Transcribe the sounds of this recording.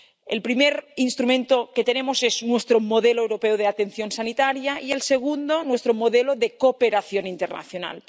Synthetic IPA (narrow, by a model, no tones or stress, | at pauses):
elpɾimeɾinst̪ɾumẽnt̪oket̪enemoseznwe̞st̪ɾomo̞ðeloewɾo̞peoð̞eat̪e̞nθjo̞nsanit̪aɾjaie̞lse̞ɣ̞und̪onwe̞st̪ɾomoðeloðe̞kopeɾaθjo̞nint̪erna̰θjona̰l